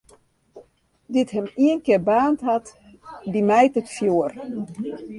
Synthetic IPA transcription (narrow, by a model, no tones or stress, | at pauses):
ditɦɛmiənkɪrbaːntɦat | dimɛjtətfjuər